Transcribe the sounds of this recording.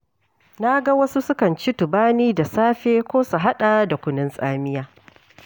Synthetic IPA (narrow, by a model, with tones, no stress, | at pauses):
na˦ɡa˦wɐ˦su˦sʊ˦kɐ˨nt͡ʃi˦tʊ˨baː˦niː˦da˨saː˦ɸeː˦kʷoː˦su˨ɦa˦ɗa˨da˨kʷʊ˦nɪ˦nsʼaː˦mɪ˦jaː˦